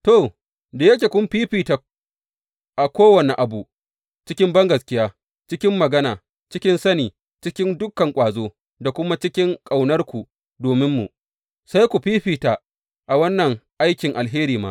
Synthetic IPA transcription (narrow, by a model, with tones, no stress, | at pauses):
toː˦˨ | da˨jɐ˦kʲeː˨kʷʊ˦mɸiː˦ɸiː˨ta˨ | ʔa˨kʷoː˦wɐ˨ni˨ʔa˨bu˨ | t͡ʃɪ˦kʲɪ˦mbɐ˦ŋɡɐ˨skʲɪ˦jaː˦ | t͡ʃɪ˦kʲɪ˦mːɐ˨ɡɐ˦naː˨ | t͡ʃɪ˦kʲɪ˦nsɐ˦niː˨ | t͡ʃɪ˦kʲɪ˦ndʊ˦kːɐ˨ŋkʷʼaː˨zoː˦ | da˨kʷʊ˦ma˦t͡ʃɪ˦kʲɪ˦ŋkʼa˨wnɐ˦rkʷu˨ | doː˨mɪ˦mːṵ˨ʔ | sa˦jkʷu˨ɸiː˦ɸiː˨ta˨ | ʔa˨wɐ˦nːɐ˨ŋʔa˦jkʲɪ˨ŋʔa˨lɦeː˦ɾiː˨ma̰ː˦